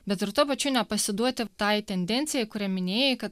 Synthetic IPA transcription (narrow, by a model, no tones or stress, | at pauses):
bʲɛt̪ɾʊt̪oːpɐt͡ʃʲʊnʲɛpɐsʲɪd̪uɔt̪ʲɪt̪ɑjt̪ʲɛnʲd̪ʲɛnʲt̪sʲɪjɛjkʊɾʲɛmʲɪnʲeːjɛkɐt̪̚